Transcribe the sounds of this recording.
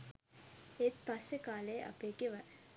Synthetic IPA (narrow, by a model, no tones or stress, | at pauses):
et̪pasːekaːleːʔa̰peɡeʋa